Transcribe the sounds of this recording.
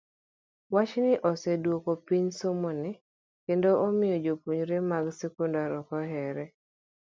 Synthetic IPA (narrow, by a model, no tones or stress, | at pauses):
wat͡ʃnɪʔosɛdwokopiɲsomonɪ | kendoʔːmɪjɔd͡ʒopuɲɾemaɡsɛkundaɾɔkɔɦɛɾɛ